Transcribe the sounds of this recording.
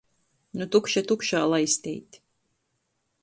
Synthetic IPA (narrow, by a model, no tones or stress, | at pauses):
nut̪ukʃat̪ukʃaːlˠajsʲt̪ʲɛ̰jt̪ʲ